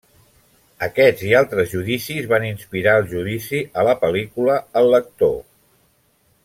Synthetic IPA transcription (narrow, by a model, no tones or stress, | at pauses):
əkɛd͡zialˠt̪ɾəzʒuðisizβaninspiɾaəlˠʒuðisiələpəlikuləəlːək̚t̪o